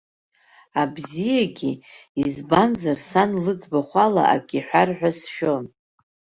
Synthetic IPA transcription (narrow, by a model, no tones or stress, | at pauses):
abzijaɡʲiizbanzarsanlɨd͡zbaχʷala̰ʔa̰kʲʼiħʷᶣarħʷᶣasʃᶣo̞n